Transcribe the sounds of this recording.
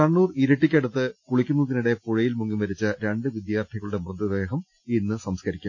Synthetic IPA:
ɐɳːuːriɾɐʈːikʲːeɽut̪ːɨkuɭikʲːunːut̪ːiniɽe̞puɻɐjilmuŋːimʋɐɾit͡ɕːɨɾe̞ɳɖɨʋid̪jaːrt̪ʰiɣɐɭuɽemrɐd̪ɐðe̞ːɦɐm | inːɨsɐmskɐɾikʲːum

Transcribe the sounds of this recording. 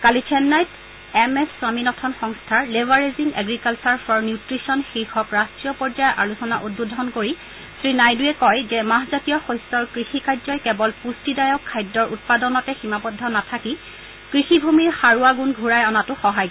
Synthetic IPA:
kalit͡ʃʰɛnːajt | ɛmɛssaminɔtʰɔnxɔŋstʰaɹlebaɹeziŋɛ̰ɡɹikalt͡ʃɔɹfʰɔɹnjutɹisɔnxiɹxɔkɹastɹijɔpɔɹzajɔʔalusɔnaʔut̚budʱɔnkoɹi | sɹinajduɛkɔjzɛmaɦzatijɔxɔjstɔɹkɹixikʰajdzɔjkɛbɔlpustidajɔkʰːajdːɔɹʔut̚padɔnɔtɛximapɔdʱːɔnatʰaki | kɹixibʱumiɹxaɹuaɡunɡʱuɹajɔnatʊxɔɦaj

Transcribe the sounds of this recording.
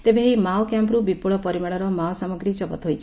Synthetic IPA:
t̪ebeɦimawkjampɾubipuɭɔpɔɾimaɽ̃ɔɾɔmawsamɔɡɾit͡ʃɔpɔt̪ɦojt͡ʃʰi̥

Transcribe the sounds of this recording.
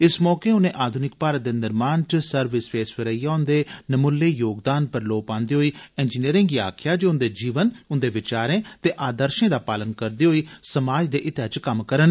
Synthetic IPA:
ɪsmɔːkeːʊnẽːʔaːd̪ʱʊnɪk̚paːɾət̪̚d̪eːnɪɾmaːnt͡ʃsəɾʋɪspeːsʋɪɾəijaːʊnd̪eːnəmʊlːeːjoːɡd̪aːnpəɾloːpãːnd̪eːɦoːiːɛ̃ːnd͡ʒiniəɾɪ̃ŋɡiːaːkʰjaːd͡ʒoːʊnd̪eːd͡ʒiːʋənʊnd̪eːʋɪt͡ʃaːɾẽːt̪eːʔaːd̪əɾʃẽːd̪aːpaːlənkəɾd̪eːɦoːiːsəmaːd͡ʒd̪eːʔɪt̪ət͡ʃkəmkəɾən

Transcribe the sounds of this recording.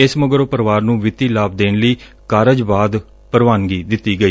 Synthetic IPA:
ɪsməɡɾoːpəɾʋaːɾnũːʋɪt̪iːlaːb̚d̪eːnləiː | kaːɾəd͡ʒbaːd̪ | pəɾʋaːnɡiːd̪ɪt̪ːiːɡəiː

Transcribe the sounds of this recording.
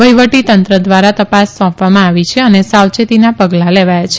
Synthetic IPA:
ʋəjʋəʈit̪ənt̪ɾəd̪ʋaɾat̪əpasːɔ̃pʋamãaʋit͡ʃʰeənesawt͡ʃet̪inapəɡlaleʋajat͡ʃʰe

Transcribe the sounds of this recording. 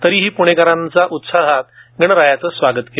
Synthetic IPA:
t̪əɾiːɦiːpuɽ̃ekaɾãnt͡saʔut̪saɦat̪ɡəɳɾajat͡səːsʋaɡət̪ke

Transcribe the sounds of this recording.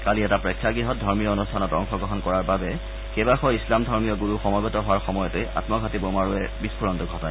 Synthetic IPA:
kaliɛtapɹekʰːjaɡɹiɦɔt̚dʱɔɹmijɔonustʰanɔtɔŋxɔɡɹɔɦɔnkɔɹaɹbabɛ | kebaxɔislamdʱɔɹmijɔɡuɹuxɔmɔbɔtɔɦʊwaɹxɔmɔjɔteja̰tmɔɡʱatibomaɹuɛbispʰuɹɔntuɡʱɔta

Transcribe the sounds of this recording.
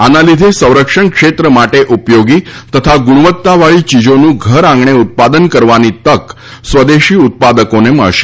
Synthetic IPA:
analid̪ʱesə̃w̃ɾəkʂəɳkʂet̪ɾəmaʈeʔupjoɡiːt̪ət̪ʰaɡuɽ̃ʋət̪ːaʋaɭiːt͡ɕid͡ʑonũːɡʱəɾãŋɡɳeut̪̚pad̪ənkəɾʋanit̪ək | sʋəd̪eɕiːut̪̚pad̪əkonemə̰ɭɕe̥

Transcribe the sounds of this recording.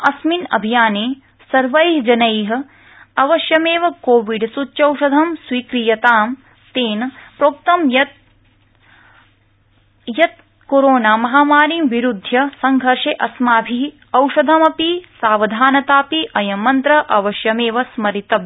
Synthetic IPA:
ɐsminɐ̰bʱijaːneː | sɐɾʋɐjɦd͡ʒɐnɐjɦɐ̆ | ɐʋɐʃjɐmeːʋɐkoːʋiɖsut͡ʃːʃɐwʃɐd̪ʱɐmsʋiːkɾijɐt̪aːm | t̪eːnpɾoːk̚t̪ɐmjɐt̪̚ | jɐt̪̚ | koɾoːnaːmɐɦaːmaːɾiːmʋiɾud̪ʱjɐsɐŋɡʱɐɾʂeʔɐsmaːbʱi | ɐwʃɐd̪ʱɐmɐpisaːʋɐd̪ʱaːnɐt̪aːpiʔɐjɐmːɐnt̪ɾɐʔɐʋɐʃjɐmeːʋɐsmɐɾit̪ɐ

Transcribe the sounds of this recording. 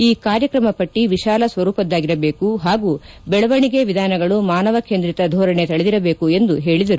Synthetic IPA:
iːkaːɾjɐkɾɐmɐpɐʈːiʋiʃaːlɐsʋɐɾuːpɐd̪ːaːɡiɾɐbeːkuɦaːɡuː | bɛɭɐʋɐɳiɡe̞ʋid̪ʱaːnɐɡɐɭumaːnɐʋɐkend̪ɾit̪ɐd̪ʱɔːɾɐɳet̪ɐɭed̪iɾɐbeːkue̞nd̪uɦe̞ːɭid̪ɐɾu

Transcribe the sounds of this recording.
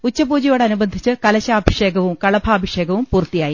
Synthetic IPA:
ut͡ɕːɐbuːd͡ʑɐjoːɽeɐnubɐnd̪ʱit͡ɕːɨkɐlɐɕaːbʱɐʂe̞ːɡɐʋumkɐɭɐbʱaːbʱɐʂeːɡɐʋumpuːrt̪ːijaːji

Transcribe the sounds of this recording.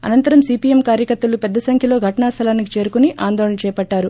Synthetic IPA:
ɐ̰nɐnt̪ɐɾɐmsiːpiemkaːɾjɐkɐɾt̪ɐlupɛd̪ːɐsɐŋkʰjɐlo̞ːɡʱɐʈɐɳaːst̪ʰɐlaːnikit͡ʃe̞ːɾukuniʔaːnd̪ɔːɭɐnɐt͡ʃɛːpɐʈːaːɾu

